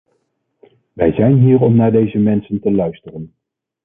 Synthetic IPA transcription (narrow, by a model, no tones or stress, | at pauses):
ʋɛjzɛjnɦiːɹɔmnaːɹdejzəmɛnsəntəlœɥstərən